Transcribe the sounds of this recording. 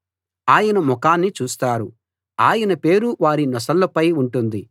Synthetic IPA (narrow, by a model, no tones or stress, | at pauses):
aːjɐnɐmɔkaːnːit͡ʃuːst̪aːɾu | aːjɐnɐpe̞ːɾuʋaːɾinɔsɐlːɐpɐjuɳʈund̪i